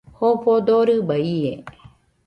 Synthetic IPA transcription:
hopod̪oɾɯbaie

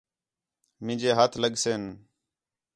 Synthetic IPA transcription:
mɪ̃ːd͡ʒeːɦət̪ʰləɠseːn

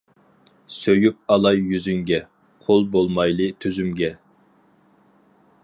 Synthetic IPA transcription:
søjyp̚ɑlˠɑjːyzyŋɡʲɛ | qʰolˠbolˠmɑjlˠɨt̪ʰyzymɡʲɛ

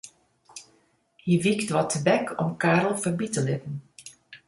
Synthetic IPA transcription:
hiʋiktʋɔtʰəbɛkʰɔmkaːɾəl̩ˠfərbitəlɪtn̩

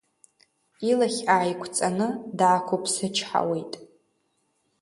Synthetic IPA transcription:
ilaχʲaːjkʷʰt͡sʼanɨdaːkʷʰopʰsɨt͡ʃʰħa̰wejtʼ

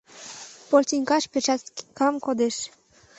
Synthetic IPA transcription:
polʲt̪ʲinʲkɑʃpeʃɑkɑmkod̪eʃ

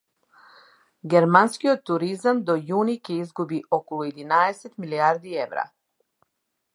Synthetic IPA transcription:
ɡʲɛɾmanskiɔt̪ːuɾizamd̪ɔjunicʲɛizɡubiʔɔkɔlˠuɛd̪inaɛsɛt̪miliaɾd̪iɛvɾa̰

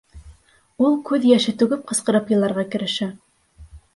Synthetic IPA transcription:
ulˠkʉðjæʃɘt̪ʉɡɘp̚qɤ̆sqɤ̆ɾɤpjɤ̆lˠːɑɾʁɑkɘ̆ɾɘ̆ʃɘ

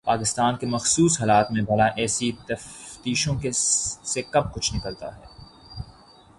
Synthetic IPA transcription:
paːkɪst̪aːnkemɐxsuːsɦaːlaːt̪mẽbʱɐɽaʔɛːsit̪ɐft̪iːʃõkesekɐb̚kʊt͡ʃʰnɪkəlt̪a̰ɦɛː

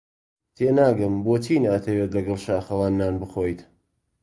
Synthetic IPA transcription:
t̪ʰeːnaːɡɨmboːt͡ʃiːnaːt̪ʰɐwet̪lɐɡɐlˠʃaːxɐwaːnːaːnbɨxoːjt̪

